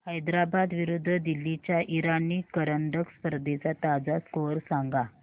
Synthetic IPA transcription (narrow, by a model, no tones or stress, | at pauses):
həjd̪ɾabad̪ʋiɾud̪ʱːəd̪ilːit͡ɕjaʔiɾaniːkəɾəɳɖəkspəɾd̪et͡sat̪ad͡zaskoɾsaŋɡa